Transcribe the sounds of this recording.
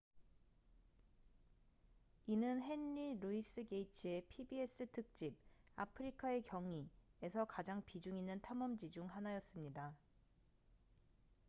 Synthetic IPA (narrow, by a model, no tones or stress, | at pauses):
inɯnɦe̞nːiɾuis͈ɯɡe̞it͡ɕʰie̞pʰibie̞s͈ɯtʰɯk̚t͡ɕ͈ib̚a̰pʰɯɾikʰae̞kjʌŋie̞sʰʌkad͡ʑaŋpid͡ʑuŋinːɯntʰamʌmd͡ʑid͡ʑuŋɦanajʌs͈ɯmɲida